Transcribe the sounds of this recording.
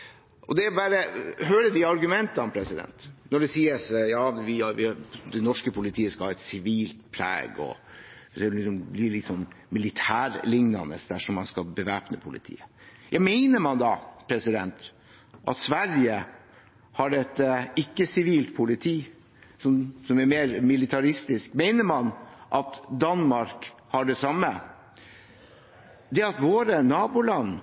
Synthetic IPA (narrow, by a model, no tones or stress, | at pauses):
ʔɔd̪ɛbɑːɾəhøːɾəd̪iɑɾɡʉmɛnt̪ɑnpʰɾɛsɪd̪ɛ̰nt̪nɔɖɛsiːəsjɑːʋɪɑʋɪd̪ɛnɔʂkəpʰʊlɪt̪ʰiːəskɑlhɑːɛt̪sɪʋiːlt̪̚pʰlæ̰ːɡɔ̰ | slɪksɔmbliːlɪt̪sɔnːmɪlɪt̪ʰæːɾlɪŋnɑ̰nə̰sd̪æʂɔmːɑnskɑlˠbəʋæːpnəpʰʊlʔɪ̰t̪ʰḭːəjɑmɛɪnəmɑnd̪ɑpʰɾɛsɪd̪ɛnt̪ | ʔɑ̰t̪sʋæɾjə | hɑɖɛt̪ːəɪkːəsɪʋiːlt̪̚pʰʊlɪt̪ʰiː | sɔmsɔmɛɾmeːɾmɪlɪt̪ʰɑɾɪst̪ɪskmeɪnəɾmɑnʔɑt̪d̪ɑnmɑɾkhɑɖɛsɑmːə | d̪ɛɑt̪ʋoːɾənɑːbʊlɑnː